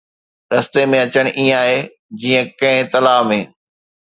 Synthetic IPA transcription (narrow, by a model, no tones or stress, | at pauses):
ɾɐst̪emẽɐt͡ɕəɽ̃ʔĩːə̃aːɦe | d͡ʑiːə̃kɐ̃ɦɪ̃t̪ɐlaːmẽː